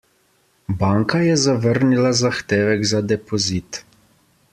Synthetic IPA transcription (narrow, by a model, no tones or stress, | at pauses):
baːŋkajɛzaʋəɾnilazaxt̪eːʋɛɡzad̪ɛpɔzit̪